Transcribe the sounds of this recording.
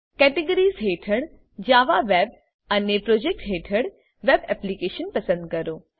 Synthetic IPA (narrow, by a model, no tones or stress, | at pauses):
kɛːʈeɡəɾiːzɦeːʈʰəɽ | d͡ʑaːʋaʋɛːb̚ | ɐnepɾoːd͡ʑeːk̚ʈɦeːʈʰəɽ | ʋeːbɛːplikeːʃənpɐsə̃nd̪̚kɐɾoː